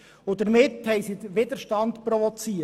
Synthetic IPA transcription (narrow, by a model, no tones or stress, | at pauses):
ʊd̪əɾmɪthɛɪsidəʋɪd̪əɾʃtɑndpɾɔʋɔt͡siːə